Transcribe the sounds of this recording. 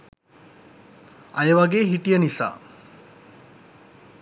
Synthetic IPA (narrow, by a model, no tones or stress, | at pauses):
ɐjəʋaɡeːɦiʈijənisa̰ː